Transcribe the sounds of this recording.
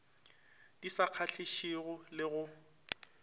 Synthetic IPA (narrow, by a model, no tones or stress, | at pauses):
d̥isaq͡χʰaɬʰiʃiɣʊlɪɣʊ